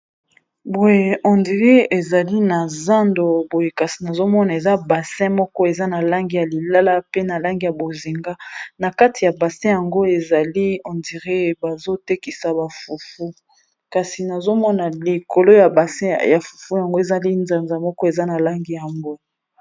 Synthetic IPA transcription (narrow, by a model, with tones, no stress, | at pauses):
bo˨je˦˨ʔɔ˨ndi˨ʁe˦e˨za˨li˦na˨za˦ndo˨bo˨je˨ka˨si˨na˨zo˦mɔ˦na˨e˨za˦ba˨sɛ̃˦mɔ˦kɔ˦e˨za˦na˨la˦ŋɡi˦ja˨li˨la˦la˦pe˦na˨la˦ŋɡi˨ja˨bo˨zi˨ŋɡa˦na˨ka˦ti˨ja˨ba˨sɛ̃˦ja˨ŋɡo˦e˨za˨li˦ɔ̃˨ndi˨ʁe˦ba˨zo˦te˦ki˨sa˨ba˨fu˨fu˦ | ka˨si˨na˨zo˦mɔ˦na˨li˨ko˨lo˦ja˨ba˨sɛ˦ja˨fu˨fu˦ja˨ŋɡo˦e˨za˦li˦nza˨nza˨mɔ˦kɔ˦e˨za˦na˨la˦ŋɡi˨ja˨ŋɡo˦